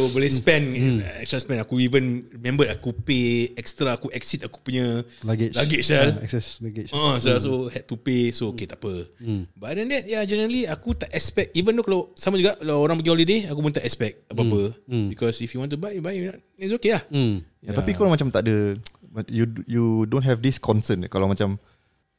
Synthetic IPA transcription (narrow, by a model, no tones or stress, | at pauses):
obəlespɛ̃nɛ̃ɛkstɾaspɛ̃nakuivənɹimɛ̃mbətakupeɛk̚st̪ɾaːkuʔɛk̚sit̪̚aku̥puɲəlaɡɪt͡ʃlaɡɪt͡ʃɛlɛksɛslaɡɪt͡ʃəə̃sasohɛt̚t̪upesooket̪aʔpəbadɛ̃ndɛt̚jad͡ʒɛnəɾəliakut̪aʔɛkspɛk̚t̚ivəndokalasamãd͡ʒuɡaʔkalaoɾãŋpək̬ĩhɔlideakupunt̪aʔɛkspɛk̚t̚əbapəbikɔsifjuwɔ̃nt̪̬ubajubajunɔt̚ | isokelahjt̪atpikomat͡ʃamt̪aʔdəajujudõntɦɛvdiskɔ̃nsənkalawmat͡ʃam